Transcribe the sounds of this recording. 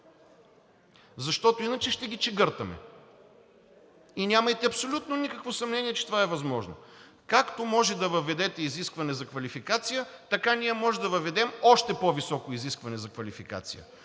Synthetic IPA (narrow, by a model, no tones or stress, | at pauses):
zɐʃt̪ɔt̪oinɐt͡ʃɛʃt̪ɛɡʲit͡ʃɛɡɤɾt̪ɐmɛ̰ | inʲamɐjt̪ɛɐpsolʲut̪nonikəkvosɐmnɛniɛt͡ʃɛ̥t̪ovaɛvɐzmɔʒno̰ | kakt̪omɔʒɛd̪ɐvɐvɛd̪ɛt̪ɛiziskvɐnɛzɐkvɐlifikat̪sijət̪ɐkanʲijəmɔʒɛd̪ɐvɐvɛd̪ɛmɔʃt̪ɛpovisɔkoiziskvɐnɛzɐkvɐlʲifika̰t̪sḭjə̰